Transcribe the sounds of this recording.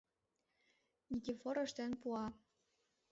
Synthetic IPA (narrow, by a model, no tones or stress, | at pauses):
nʲikʲifoɾɤ̆ʃt̪ĕnpuɑ